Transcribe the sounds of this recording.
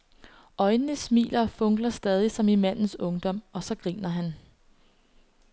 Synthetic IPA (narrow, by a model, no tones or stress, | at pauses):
ʔɒ̽ɪnənəsmḭːlɐfɔ̽ŋɡ̥lɐsd̥ɛːð̞ˠisɒ̽mimæn̰n̩sɔ̽ŋd̥ɒ̽m̰ɒ̽sɒ̽ɡ̥ʁḭːnɐɦæn